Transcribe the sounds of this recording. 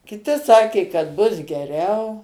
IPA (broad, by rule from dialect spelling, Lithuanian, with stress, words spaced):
kʲɪˈtʲɪ ˈsɑːkʲeː kɐt ˈbʊs ɡʲɛˈrʲɛʊ